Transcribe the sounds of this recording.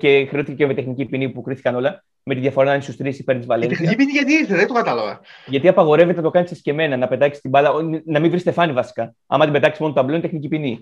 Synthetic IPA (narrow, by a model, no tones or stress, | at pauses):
ce̞xɾeoθi̥cecemet̪exnicipinipukɾiθi̥kɐno̞lɐ | me̞t̪iðjɐfo̞ɾɐnɐnisust̪ɾisipent̪izvɐleint̪exniipiniʝɐt̪iiɾθeðet̪okɐt̪ɐlɐvɐ̰ʝɐt̪iɐpɐɣo̞ɾe̞vet̪enɐt̪o̞kɐnisɐsce̞me̞nɐnɐpe̞t̪ɐksi̥st̪ibɐlɐnɐmiɱvɾist̪e̞fɐnivɐsi̥kɐ | ɐ̰mɐt̪ibe̞t̪ɐksismo̞not̪ɐblenit̪e̞xnicipini